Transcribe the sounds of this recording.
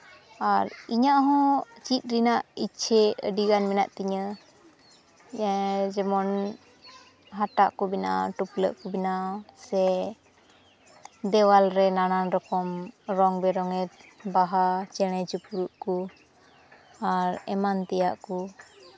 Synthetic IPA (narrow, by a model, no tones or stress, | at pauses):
aɾiɲaʔɦɔ̃t͡ʃit̪̚ˀɾinaʔit͡ʃʰɛə̰ɖiɡanmɛna̰ʔt̪iɲə | d͡ʒɛmɔn | ɦaʈa̰ʔkɔbina̰ʈuplə̰ʔkɔbinasɛ | d̪ɛwalɾɛnananɾɔkɔmɾɔŋbɛɾɔŋɛt̪̚baɦat͡ʃɛɽ̃ɛt͡ʃupuɾuʔku | aɾɛ̰mant̪ɛja̰ʔku